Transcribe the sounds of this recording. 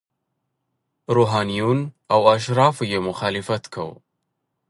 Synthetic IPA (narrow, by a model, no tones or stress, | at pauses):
ɾuɦaːnijuːnʔawʔaʃ̬ɾˤɑːfjemʊxaːlifat̪kʰa̰w